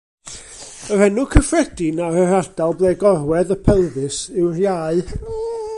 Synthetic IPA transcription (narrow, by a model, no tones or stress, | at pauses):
əɾɛnʊkʰəfrɛd̥ɪnaɾəɾad̥alˠblˠeːɡɔrwɛðəpʰɛlˠðɨsɪwrjaːɨ